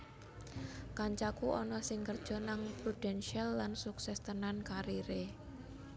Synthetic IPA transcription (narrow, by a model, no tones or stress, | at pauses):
kaɲt͡ʃakuʔɔnɔsɪŋkərd̥ʒ̥ɔ̤naŋpɾud̥ɛnʃialːansuksɛst̪ənankaɾiɾe